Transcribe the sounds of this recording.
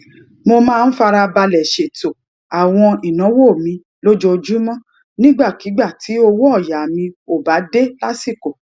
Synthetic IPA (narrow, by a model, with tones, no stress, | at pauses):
mo˧mãː˦˧n̩˦fa˧ɾa˧ba˧lɛ˨ʃe˨to˨ | a˨w̃ɔ̃˧i˨nɔ̃˨˦wo˦˨mĩ˨˧ | lo˦d͡ʒo˧d͡ʒu˦mɔ̃˦ | nĩ˦ɡ͡ba˦˨ki˨˦ɡ͡ba˦˨ti˨˦o˧wo˦ɔ˦˨ja˨mĩ˧o˨ba˨˦de˦la˦si˦˨ko˨